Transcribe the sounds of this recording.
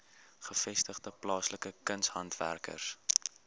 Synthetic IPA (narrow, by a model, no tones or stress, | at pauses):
χəfɛstəχdəplɑːsləkəkənsɦɐntvæ̰rkə̰rs